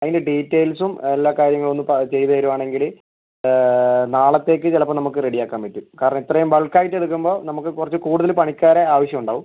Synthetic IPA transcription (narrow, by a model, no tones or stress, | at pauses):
ɐðindeɖiːtːeːjlsumelːaːkaːɾjɐŋːɐɭo̞nːɨpɐt͡ɕe̞jt̪ɐɐjɾuʋaːɳe̞ŋɡil | naːɭɐt̪ːe̞ːkːɨt͡ɕelɐpːɐnɐmukːɨreɽijaːkːaːmpɐtːukaːɾɐɳɐmit̪ːrɐjumʋɐɭkːaːjiʈːeɽuk̬ːumbo̞ːnɐmukːɨkurɐt͡ɕːɨkuːɽuðɐlpɐɳikʲːaːɾeaːʋɐɕjɐmuɳɖaːʋum